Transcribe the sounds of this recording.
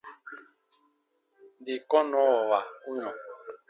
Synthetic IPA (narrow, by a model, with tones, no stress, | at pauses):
ndi˨kɔ˦nɔ̃˨˦ɔ˨wa˨u˦ɲɔ̃˨